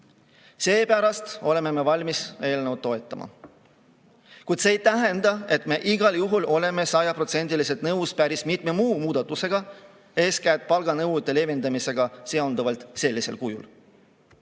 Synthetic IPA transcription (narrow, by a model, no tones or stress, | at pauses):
se̞ːpæɾɑst̪o̞le̞me̞me̞vɑlʲmise̞ːlnəwt̪ːˑo̞et̪ˑːɑmɑ̰ | kujt̪se̞ːjt̪æɦe̞nd̪ɑe̞t̪ˑme̞ʔiɡɑljuɦulo̞le̞me̞sɑjɑpro̞t̪se̞nʲd̪̥ilis̬et̪nɤwspæɾismit̪me̞muːmuːd̪̥ɑt̪ːˑuse̞ɡ̥ɑ | e̞ːskæːt̪̚pɑlɡ̥ɑnɤwt̪ːˑe̞le̞vend̪ɑmise̞ɡ̥ɑseond̪uvɑlt̪ˑse̞lʲːise̞lkujṵl